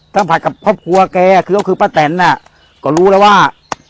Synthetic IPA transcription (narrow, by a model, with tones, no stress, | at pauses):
t̪ʰa˥˩ŋpʰa˨˩ka˨˩p̚kʰɔː˥˩p̚kʰu˧ɐ˧kɛː˧a˨˩kʰɯː˧kkʰɯː˧paː˧˩t̪ɛ˨˦nːa˧˩ | kɔː˧˩ɾuː˦˥lɛː˦˥˩waː˥˩